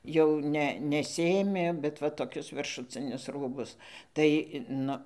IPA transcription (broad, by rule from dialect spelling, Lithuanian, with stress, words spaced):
jɛʊ ˈnʲɛ nʲɛˈsʲɪeːmʲeː bʲɛt ˈʋɐ toːˈkʲʊs ʋʲɪrʃʊˈt͡sʲɪnʲʊs ˈruːbʊs tɐɪ ˈnʊ